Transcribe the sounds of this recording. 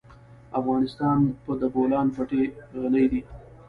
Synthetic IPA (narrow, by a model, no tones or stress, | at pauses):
afɣɑnɪst̪ɑnpəd̪əbolɑnpaʈeɣanəjd̪i